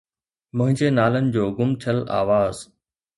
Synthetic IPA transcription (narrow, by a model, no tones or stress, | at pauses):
mʊ̃ɦɪ̃ɲd͡ʑeːnaːlənɪ̆d͡ʑoːɡʊmt̪ʰəla̰ːʋaːz